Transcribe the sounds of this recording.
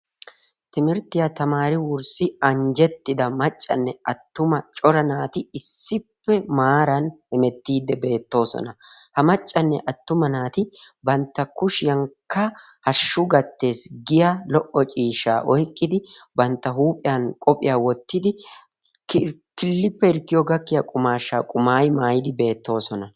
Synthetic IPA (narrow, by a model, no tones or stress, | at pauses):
t̪ɪmɪɾt̪ːɪjat̪ɐmaːɾɪwʊɾsɪɐɲd͡ʒɛt̪ːɪd̪ɐmɐt͡ʃʼːɐ̰nːɛɐt̪ːʊmɐt͡ʃʼɔɾɐnaːt̪ɪɪsːɪpːɛmaːɾɐnhɛmɛt̪ːiːd̪ːɛbe̞ːt̪ːo̞ːsɔ̰nɐhɐmɐt͡ʃʼːɐnːɛʔɐt̪ːʊmɐnaːt̪ɪbɐnt̪ːɐkʊʃɪjɐŋkːɐ | hɐʃːʊɡɐt̪ːe̞ːsɡɪjalɔʔɔt͡ʃʼiːʃa̰ːʔɔjkʼːɪd̪ɪbɐnt̪ːɐɦuːpʼɪjankʼɔpʼɪjaːwɔt̪ːɪd̪ɪ | kɪlːɪpːɛɪɾkːɪjɔɡɐkːɪjɐkʼʊmaːʃːa̰ːkʼʊmaːjmaːjɪd̪ɪbe̞ːt̪ːo̞ːsɔnɐ